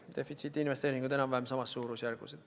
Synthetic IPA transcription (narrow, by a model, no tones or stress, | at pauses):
d̪e̞fˑit̪sit̪ːˑinve̞st̪eːɾiŋɡud̪enɑmvɑemsɑmɑsːuːɾusjærɡ̥ṵsed̥̪